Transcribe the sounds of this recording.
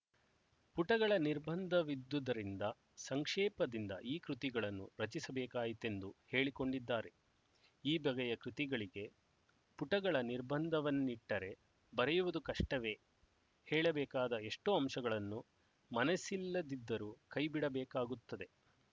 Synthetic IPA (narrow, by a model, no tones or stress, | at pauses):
puʈɐɡɐɭɐniɾbɐnd̪ʱɐʋid̪ːud̪ɐɾind̪ɐ | sɐŋkʂɛːpɐd̪ind̪ɐ̰ʔiːkɾut̪iɡɐɭɐnːṵɾɐt͡ʃisɐbɛːkaːjit̪e̞nd̪uhe̞ːɭiko̞ɳɖid̪ːaːɾe̞ | iːbɐɡɐjɐkɾut̪iɡɐɭiɡe̞ | puʈɐɡɐɭɐniɾbɐnd̪ʱɐʋɐnːiʈːɐɾe̞ | bɐɾɛjuʋud̪ukɐʂʈɐʋe̞ː | hɛːɭɐbɛːkaːd̪ɐe̞ʂʈoːɐmʂɐɡɐɭɐnːu | mɐnɐsilːɐd̪id̪ːɐɾuːkɐjbiɽɐbɛːkaːɡut̪ːɐd̪e̞